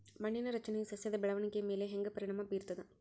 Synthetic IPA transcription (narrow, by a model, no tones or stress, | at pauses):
mɐɳːɪnɐɾɐt͡ʃːɐnɐsɐsjɐðɐbɛɭɐʋɐɳɪkːɐmeːleːɦɛŋɡɐpɐɾɪɳɐmaːpiːɾt̪ɐðã